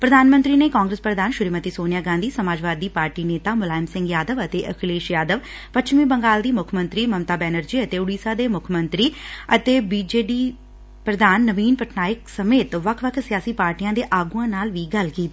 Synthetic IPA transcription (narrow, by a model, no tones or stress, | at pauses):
pɾəd̪aːnmə̃nt̪ɾiːneːkaːŋɡɾəspɾəd̪aːnʃʊɾiːmət̪iːsoːnjaːɡãːnd̪iːsəmaːd͡ʒʋaːd̪ːiːpaːɾʈiːneːt̪aːmʊlaːɪmsɪ̃ŋɡjaːd̪əʋət̪eːʔəkʰleːʃjaːd̪əʋ | pətːʃmiːbəŋɡaːld̪iːmʊkʰmə̃nt̪ɾiːməmt̪aːbɛːnəɾd͡ʒiːət̪eːʊɽiːsaːd̪eːmʊkʰmə̃nt̪ɾiːət̪eːbiːd͡ʒeːɖiː | pɾəd̪aːnːəʋiːnpəʈʰnaːɪksəmeːt̪ʋəkʰʋəkʰsɪjaːsiːpaːɾʈijãːd̪eːʔaːɡuãːnaːlʋiːɡəlkiːt̪i